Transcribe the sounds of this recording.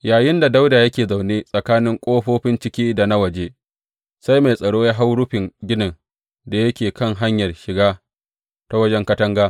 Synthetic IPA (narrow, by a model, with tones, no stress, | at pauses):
jaː˨jɪ˦nda˨da˦wda˨jɐ˦kʲeː˨za˨wneː˦sʼɐ˨kaː˦nɪ˦ŋkʷʼoː˦ɸoː˦ɸɪ˦nt͡ʃɪ˦kʲiː˦da˨na˦wɐ˨d͡ʒeː˦ | sa˦jma˨jsʼɐ˨ɽoː˦ja˦ɦa˦wɽʊ˦ɸɪ˨ŋɡʲɪ˦nɐ˨n | da˨jɐ˦kʲeː˨kɐ˦˨ŋɦa˦ɲjɐ˨rʃɪ˨ɡaː˦ | ta˦wɐ˦d͡ʒɛ˦ŋkɐ˦tɐ˦ŋɡaː˦